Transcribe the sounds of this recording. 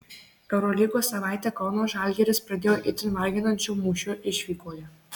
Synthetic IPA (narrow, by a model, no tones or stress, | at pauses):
pʲɛʊɾoːlʲiːɡoːsɐʋɑˑɪt̪ʲɛkɐʊnoːʒɑlʲɡʲɛɾʲɪspɾɐd̪ʲeːjoːʔɪt̪ʲɪnʋɐlʲɡʲɪnɐnʲt͡ʃʲumuːʃʲʊʔɪʃʲʋʲiːkoːjʲɛ